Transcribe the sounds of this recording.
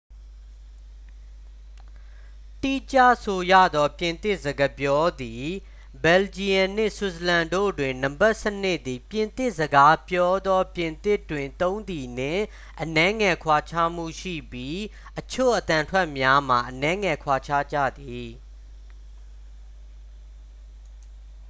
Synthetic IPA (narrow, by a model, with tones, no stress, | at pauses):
ti˦˨t͡ɕa̰˦˨so˨jä̰˦˨d̪ɔ˦pjɪ̃˨nt̪ɪ˦ʔzə˨ɡə˨pjɔ˦d̪i˨ | bɛ˨ld͡ʑi˨ã˨n̥ɪ̰̃˦˨su˨sə˨lã˨ndo̰˦˨dwɪ̃˨nã˨mba˦ʔsə˦n̥ɪ˦ʔd̪i˨pjɪ̃˨nt̪ɪ˦ʔzəɡa˦pjɔ˦d̪ɔ˦pjɪ̃˨nt̪ɪ˦˨tːwɪ̃˨nt̪õ˦ʊ̃nd̪i˨n̥ɪ̰̃˦˨ | ʔənɛ̃˦ŋɛ˨kʰwa˨t͡ɕʰa˦m̥ṵ˦˨ʃḭ˦˨bji˦ | ʔət͡ɕʰo̰˦˨ʔət̪ã˨ntʰwɛ˦ʔmja˦m̥a˨ʔənɛ̃˦ŋɛ˨kʰwa˨t͡ɕʰa̰˦˨d͡ʑä̰˦˨d̪i˨